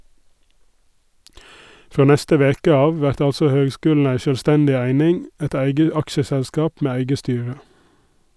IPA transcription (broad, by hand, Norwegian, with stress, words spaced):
ˈfoː ˈnɛstə ˈʋeːkə ˈɑːʋ ˈʋæɾt ˈɑlsɔ ˈhøːɡˌskʉːll̩ ˈæɪ ʃœlˈstɛndɪ ˈæɪnɪŋ ˈɛt ˈæɪɡə ˈɑkʃəsɛlˌskɑːp ˈmeː ˈæɪɡə ˈstyːɹə